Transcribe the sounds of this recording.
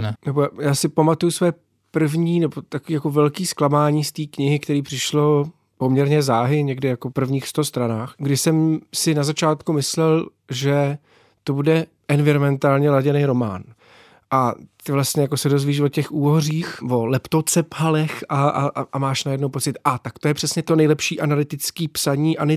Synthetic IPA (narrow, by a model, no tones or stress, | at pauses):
nɛnɛbojaːsɪpamat̪ujusvɛː | pr̩vɲiːnɛbot̪akoviːjako̞vɛlkiːsklamaːɲiːst̪iːkɲɪɦɪkt̪ɛɾiːpr̥ɪʃlo̞ | po̞mɲɛɾɲɛzaːɦɪɲɛɡdɪjakopr̩vɲiːxst̪oost̪ɾanaːxɡdɪsɛmsɪnazat͡ʃaːt̪kumɪslɛl | ʒɛ | t̪o̞budɛ | ʔɛnvɪɾomɛnt̪aːlɲɛlaɟɛnejɾo̞ma̰ːn | ʔat̪ɪvlast̪ɲɛjakosɛdo̞zviːʃvocɛxuːɦoriːxvo̞lɛpt̪ot͡sɛpɦalɛxaaʔamaːʃnajɛdnowpo̞t͡sɪt̪ʔat̪akt̪ojɛpr̥ɛsɲɛt̪o̞nɛjlɛpʃiːʔanalɪt̪ɪt͡skiːpsaɲiːʔanɛ